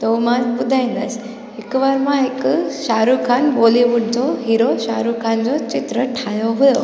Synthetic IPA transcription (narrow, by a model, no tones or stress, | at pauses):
t̪omãbʊd̪ʱaĩnd̪as | ɪkʋaɾmãɦɪkʃaːɾukʰanboliʋuʈ̚d͡ʑoɦiɾoʃaɾukʰand͡zot͡ɕɪt̪ɾəʈʰajoɦujo